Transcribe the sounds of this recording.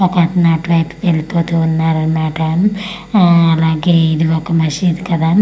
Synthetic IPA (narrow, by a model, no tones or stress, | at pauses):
ɔkːɐtnaːʈʋɐjpkelipoːt̪uunːaːɾɐmaːʈɐn | ɐlaːɡeːid̪iʋɔkːɐmɐʃid̪ikɐd̪aː